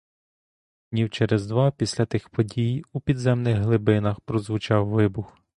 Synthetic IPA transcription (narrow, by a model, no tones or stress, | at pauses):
nʲiwt͡ʃɛɾɛzd̪ʋɑpʲisʲlʲɐt̪ɪxpɔdʲijupʲid̪zɛmnɪɣɦlˠɪbɪnɐxpɾɔzʋʊt͡ʃɑwʋɪbʊx